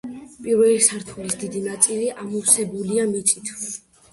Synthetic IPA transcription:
pʼiɾvɛlisaɾt̪ʰwɛlisd̪id̪inat̪sʼiliʔamusɛbuliamit̪sʼit̪ʰw

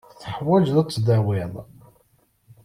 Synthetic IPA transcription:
θəħwæd͡ʒðæt͡sːd̪æwɪðˤ

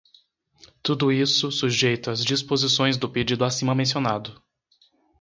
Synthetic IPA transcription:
t̪ud̪ʊisʊsuʒejt̪ʊazd͡ʒispozisõj̃zd̪ʊped͡ʒid̪ʊasĩmɐmẽs̬ionad̪ʊ

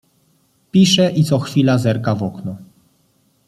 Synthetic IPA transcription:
pʲiʂɛʔit̪sɔxfʲilazɛɾkavɔknu

